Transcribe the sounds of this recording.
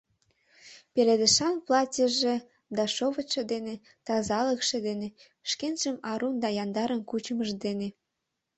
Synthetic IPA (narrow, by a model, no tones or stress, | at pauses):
peled̪ə̆ʃɑnplɑtʲəʒe | d̪ɑʃoβə̆t̪ʃed̪ene | t̪ɑzɑləkʃĕd̪ene | ʃkenʒ̥əmɑɾund̪ɑjɑnd̪ɑɾənkut͡ɕəməʒd̪ene